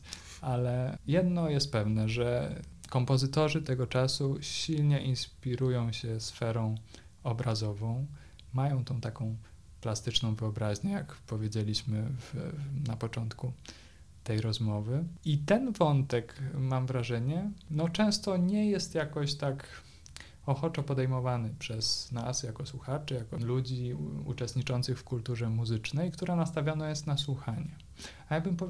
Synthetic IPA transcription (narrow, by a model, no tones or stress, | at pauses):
alɛjɛd̪nɔjɛst̪̚pɛvnɛʐɛkɔmpɔzɘt̪ɔʐɘt̪ɛɡɔt͡ʂasuɕilɲɛʔinspʲiɾujɔ̃w̃ɕɛsfɛɾɔ̃w̃ | ɔbɾazɔvɔ̃w̃ | majɔ̃w̃t̪ɔ̃w̃t̪akɔ̃w̃ | plast̪ɘt͡ʂnɔ̃w̃vɘɔbɾaʑɲɛjakpɔvʲjed͡ʑelʲiɕmɘvnapɔt͡ʂɔnt̪ku | t̪ɛjɾɔzmɔvɘit̪ɛnvɔnt̪ɛkmamvɾaʐɛɲɛnɔt͡ʂɛ̃w̃st̪ɔɲɛjɛst̪jakɔɕt̪ak | ɔxɔt͡ʂɔpɔd̪ɛjmɔvanɘpʂɛsnasjakɔswuxat͡ʂɛjakɔlud͡ʑiṵt͡ʂɛst̪ɲit͡ʂɔnt̪sɘxfkult̪uʐɛmuzɘt͡ʂnɛjkt̪uɾanast̪avʲjɔnajɛst̪naswuxaɲɛ | ajaɡ̚bɘmpɔ